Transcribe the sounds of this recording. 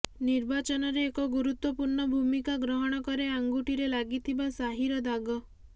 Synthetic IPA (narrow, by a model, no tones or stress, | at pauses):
niɾbat͡ʃɔnɔɾeːkɔɡuɾut̪wɔpuɾɳɔbʱumikaɡɾɔɦɔɽ̃ɔkɔɾeaŋɡuʈiɾelaɡit̪ʰibasaɦiɾɔd̪ʱaɡɔ